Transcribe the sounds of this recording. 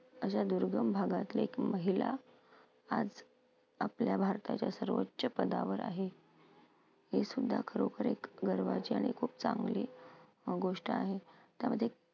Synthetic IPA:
əɕad̪uɾɡəmbʱaɡat̪ilekməɦila̰ | ad͡z | apljabʱaɾt̪ʰa̰t͡ɕjasəɾʋəːɕəpəd̪aʋəɾa̰ɦe | ɦesud̪ʱːakʰəɾokəɾekɡəɾʋat͡ɕiaɽ̃ikʰuːp̚t͡saŋɡliː | ɡoʂʈəaɦet̪jaməd̪ʱje

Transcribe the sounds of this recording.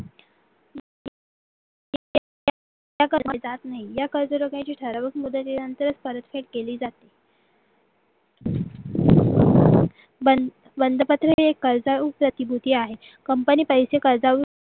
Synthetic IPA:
j | j | jakəɾmad͡zat̪naɦijakəɾd͡zəɾoɡãt͡ɕiːʈʰəɾaʋəkimud̪ət̪inənt̪əɾət͡spəɾət̪feʈ̚keliːd͡zat̪i | bə | bənd̪ʱəpət̪ɾeekːəɾd͡zaupɾət̪ibʱut̪iːaɦe | kəmpəniːpəjsekəɾd͡zaʋu

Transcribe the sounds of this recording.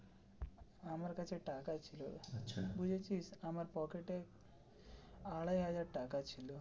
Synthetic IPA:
amaɾkat͡ʃʰeʈakat͡ɕʰiloʃʰabud͡ʒʱet͡ʃʰisamaɾpɔkeʈek | aɭajɦad͡ʑaɾʈakat͡ɕʰilo

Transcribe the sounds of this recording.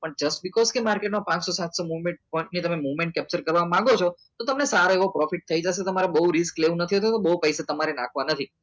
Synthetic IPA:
pəɳd͡ʒəsʈ̚bɪkɔzkemaɾkeʈmãpãt͡ʃsɔsat̪somuʋmeɳʈ̚pɔɪɳʈnit̪əmemuʋmẽɳʈ̚kɛp̚t͡ʃəɾkəɾʋamãŋɡot͡ʃʰɔt̪ot̪əmnesaɾoeʋõpɾɔfiʈ̚t̪ʰəid͡ʒas̬et̪əmaɾebəɦuɾɪskleʋũnət̪ʰiɦət̪ũt̪obəɦupəjsat̪əmaɾenãkʰʋanət̪ʰi

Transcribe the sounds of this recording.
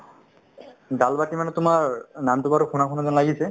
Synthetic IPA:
dalbatimanɛt̪ʊmaɹnamt̪ubaɾokʰunakʰunazɔnlaɡisʰe

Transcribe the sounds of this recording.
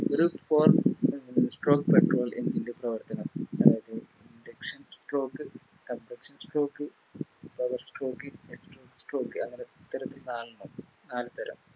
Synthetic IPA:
ɾufoːr | sʈro̞ːkːpeʈro̞ːlḛnd͡ʑinlɨprɐʋɐrt̪ɐnɐmɐðaːjɐðɨ | indekʂɐnsʈro̞ːkːɨ | kɐmprɐkʂɐnsʈro̞ːkːɨ | pɐʋɐrsʈro̞ːkːinesʈroːkːsʈroːkːɨɐŋːɐneit̪ːɐɾɐt̪ːilnaːlnuːnaːlɨt̪ɐɾɐ̰m

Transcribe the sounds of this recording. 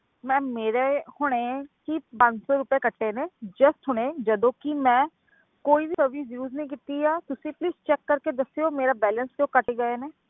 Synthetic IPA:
mɛ̃ːmeːɾeːhʊɽ̃eːkipə̃ɲd͡ʒsɔːɾʊpeːkəʈʰːeːneːd͡ʒəst̪ɦʊɽ̃ẽːd͡ʒəd̪õːkimɛ̃ː | koːiːbiːsəʋiːzjuːznəĩːkɪt̪iːaːt̪ʊsĩːpliːst͡ʃɛːkːəɾkeːd̪əsːejoːmeːɾaːbɛːlənskjõːkəʈeːɡəeːneː

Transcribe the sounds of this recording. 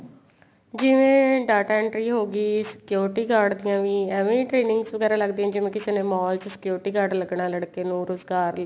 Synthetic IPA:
d͡ʒɪʋẽːɖaːʈaːɪɳʈɾiːɦoːɡiːsɪ̥kjoːɾɪʈiːkaːɾɖd̪ijãːʋĩːɛːʋẽːʈɾeːnɪ̃ŋɡsʋəɡɛːɾaːləɡd̪iːãːd͡ʒɪʋẽːkɪsenẽːmɔːlt͡ʃsɪ̥kjoːɾɪʈiːkaːɖləɡɳãːləɽkeːnũːɾʊzɡaːɾ

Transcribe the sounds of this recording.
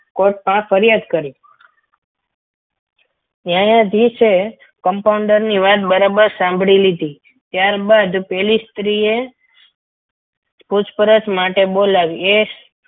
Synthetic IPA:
koʈ̚pãfəɾijad̪kəɾĩ | jajãd̪it͡ʃʰe | kəmpauɳɖəɾniʋat̪bəɾabəɾsãmbʱɽilid̪i | t̪jaɾbad̪pɛlist̪ɾie | put͡ʃʰpəɾət͡ʃmaʈebolaʋie

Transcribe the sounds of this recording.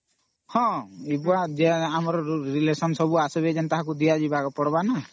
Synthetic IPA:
hɔ̃ibuad͡ʒɛamɾɔɾilesɔnsɔbuasɔbɛd͡ʒɛnt̪aɦãk̬ud̪ijad͡ʒibakɔpɔɽbana

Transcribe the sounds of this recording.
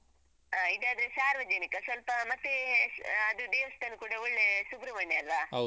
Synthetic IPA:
aid̪aːd̪ɐɾesaːɾʋɐd͡ʒɐnikɐsʋɐlpɐmɐt̪ːeɐd̪ud̪eːʋɐst̪ɐnukuːɽɐoɭːesubɾɐʋɐɳːeɐlʋaːɦ

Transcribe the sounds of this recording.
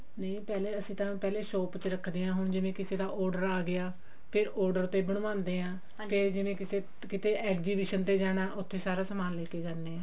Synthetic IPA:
nəĩːpɛːleːəsĩːt̪ãːpɛːleːʃoːpt͡ʃəɾəkʰd̪eːãːɦʊɳd͡ʒɪʋẽːkɪseːd̪aːʔɔːɾɖəɾaːɡɪjaː | pʰɪɾʔɔːɾɖəɾt̪ʰːeːbəɽ̃ʋãːnd̪eːɦãː | pʰeɾd͡ʒɪʋẽːkɪseː | kɪt̪eːʔɛːkziːbɪːʃənt̪eːd͡ʒaːɽ̃aːʔʊt̪ʰːeːsaːɾaːsəmaːlleːkeːd͡ʒaːɾneːãː

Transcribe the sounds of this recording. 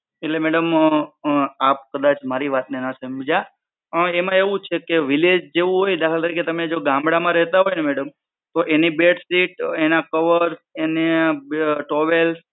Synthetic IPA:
eʈlemɛɽəm | ap̚kəd̪at͡ʃmaɾiʋat̪nenəsəmid͡ʒa | əɳemãeʋũt͡ʃʰekeʋiled͡ʒd͡ʒeʋũɦojd̪akʰalt̪əɾiket̪əmed͡ʒoɡãmbɽamãɾɛɦt̪aɦojnemɛɽəm | t̪oʔenibeʈsiʈenakəʋəɾene | ʈoʋel

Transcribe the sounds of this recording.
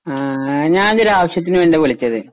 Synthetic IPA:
aɲaːnɐðeɾaːʋɐɕjɐt̪̬ːinɨʋeɳɖeʋoɭit͡ɕːɐðɨ

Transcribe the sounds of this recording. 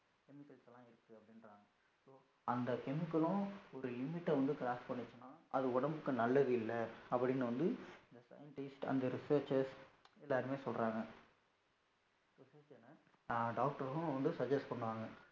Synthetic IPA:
kɛmɪkːɐlsɛlːãːɪɾɯkːɯɐpːɐɽɪnɾaːŋɡɐ | soː | ɐnd̪ɐkɛmɪkːɐlʊ̃ɔɾɯlɪmɪʈːɐʋɐnd̪ɯkɾaːsʈpɐɳːɪt͡ʃːɐnːaːʔɐðɯʊɽɐmbɯkːɯnɐlːɐðɯɪlːɐɐpːɐɽɪnːɯʋɐnd̪ɯɪnd̪ɐsɐ̰jɐɳʈɐɪsʈɐ̰nd̪ɐɾɪsɐːɾt͡ʃɐsɛlːaːɾɯmeːsɔlɾãːŋɡɐ | soːsɐɾt͡ʃɐnːɐ | ɖaːk̚ʈɐɾ̃ʋɐnd̪ɯsɐd͡ʒɐsʈpɐɳːɖɯʋaːŋɡɐ

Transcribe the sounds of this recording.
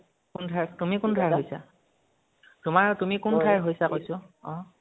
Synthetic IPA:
kundʱaɹtumikundʱajɹɦojsa̰ | tʊmaɹtumikundʱaɹɦojsakojsʊɔ̃

